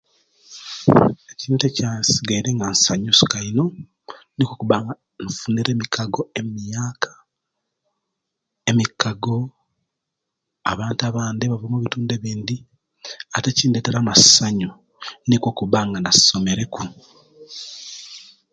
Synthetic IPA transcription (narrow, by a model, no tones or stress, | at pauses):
ecintecasiɡaiɾeŋɡansaɲusu̥kaino̞ | nikokuβaŋɡa | nufuːneɾeːmikʰaɡo̞emjaːkʰḁ | emikaɡo̞ | a̰βaːntaβaːnd̪eβavomuβituːndeβiːnd̪i | ateciːndeteɾamasaɲu | niko̞kuβaːŋɡanaso̞me̞ɾe̞ku